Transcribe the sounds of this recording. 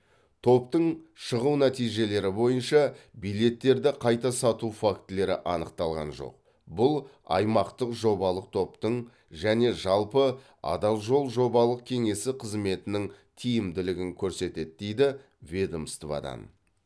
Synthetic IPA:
t̪ʰo̞pt̪əɴʃəʁuwnæt̪ijʒe̞le̞ɾɪbo̞jənʃɑbijle̞t̪ːe̞ɾd̪ɪqʰɑjt̪ɑsɑt̪ufakt̪le̞ɾɪ̰ʔɑnəqt̪ɑlˠʁɑ̰nʒo̰q̚ | bʊlˠɑ̰jmɑqt̪əqʒo̞bɑlˠəq̚t̪ʰo̞p̚t̪əɴ | ʒæne̞ʒɑlˠpə | ɑ̰d̪ɑlˠʒo̞lˠʒo̞bɑlˠəq̚kʲʰe̞ŋe̞sɪqʰəzme̞t̪ɪnɪŋ | t̪ʰijɪmd̪ɪlɪɡʲɪŋkʲʰɵɾse̞t̪e̞d̪̚d̪ejd̪ɪ | vʲed̪omst̪vɑ̰d̪ɑ̰n

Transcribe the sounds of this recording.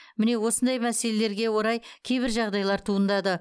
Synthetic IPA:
mɪne̞wo̞sənd̪ɑjmæse̞le̞le̞ɾɡʲe̞wo̞ɾɑjkʲʰejbɪɾʒɑʁd̪ɑjlˠɑɾt̪ʰuənd̪ɑd̪ə

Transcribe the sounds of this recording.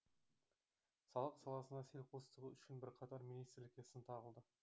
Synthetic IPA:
sɑlˠəqsɑlˠɑsənɑse̞lqʰost̪əʁəʏʃɪnbɪɾqʰɑt̪ɑɾminijst̪rlɪkʲesɪnt̪ʰɑʁəlˠd̪ə

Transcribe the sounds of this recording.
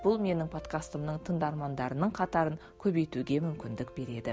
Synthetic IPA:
b̥ʊlˠme̞nɪŋpʰo̞t̪kɑst̪əmnəɴt̪ʰənd̪ɑɾmɑnd̪ɑɾənəɴqʰɑt̪ɑɾəŋ | kʲʰɵbe̞jt̪uɡʲe̞mʏmkʲɪnd̪ɪkbe̞ɾe̞d̪ɪ

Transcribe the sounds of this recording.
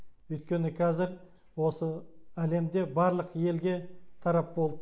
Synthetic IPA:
ɵjt̪̚kʲe̞nɪkʲʰɑzɪɾ | wo̞səæle̞md̪e̞bɑɾlˠəqje̞lɡʲe̞t̪ʰɑɾɑp̚bo̞lˠd̪ə

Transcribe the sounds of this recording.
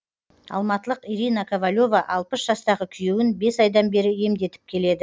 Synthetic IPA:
ɑ̰lˠmɑt̪əlˠəqiɾijnɑkʰovalʲo̞vɑʔɑlˠpəsʒɑst̪ɑʁəkʲʰʏjewɪnbe̞sɑjd̪ɑnbe̞ɾɪe̞md̪e̞t̪ɪ̥p̚kʲʰe̞le̞d̪ɪ

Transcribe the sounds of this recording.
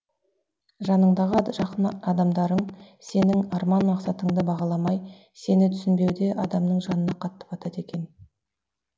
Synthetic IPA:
ʒɑnəɴd̪ɑʁəʒɑqənɑd̪ɑmd̪ɑɾəɴ | se̞nɪŋɑɾmɑnmɑqsɑt̪əɴd̪əbɑʁɑlˠɑmɑj | se̞nɪt̪ʰʏ̥sɪnbe̞wd̪e̞ʔɑd̪ɑmnəɴʒɑnənɑqʰɑt̪ːə̥pɑt̪ɑt̪e̞kʲe̞n

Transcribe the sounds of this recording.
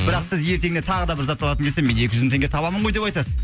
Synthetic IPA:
bɪɾɑqsɪzje̞ɾt̪e̞ɡɪne̞t̪ʰɑʁəd̪ɑbɪɾzɑt̪bolˠɑt̪əkʰeseme̞ne̞kʲɪʒʏzmɪt̪eŋʲɡʲe̞t̪ʰɑbɑməɴʁo̞jd̪e̞pɑjt̪ɑsəz

